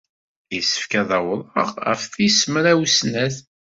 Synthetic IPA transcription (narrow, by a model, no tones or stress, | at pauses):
isə̥fkæðɑwɾˤəʁæ̰fθisəmɾæwsnæθ